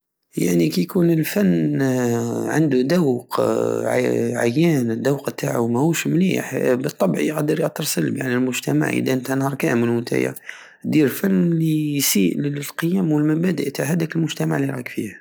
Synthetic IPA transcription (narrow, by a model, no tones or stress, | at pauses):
ja̰ʕnikæjkunəlfænː | ʕa̰nd̪ud̪æwqʕa̰ʕajːænd̪æwqt̪ːaʕawmæhuʃmlḭħbət̪ˤːɑbʕiqd̪əɾjət̪ːɾˤsˤəlbja̰ʕnilmʊʒt̪æma̰ʕʔḭd̪æʔnt̪hænhɑɾˤkæməlhʊnt̪æ̰ja̰ | d̪iɾfænlisiʔllqəjæmwəlmæbæd̪əʔt̪aʕhæd̪ækəlmʊʒt̪æmaʕliɾˤɑ̰kfḭh